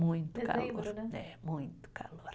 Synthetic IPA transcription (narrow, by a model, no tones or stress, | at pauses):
muint̪kɑ̰lʋornemuint̪kɑ̰lʋor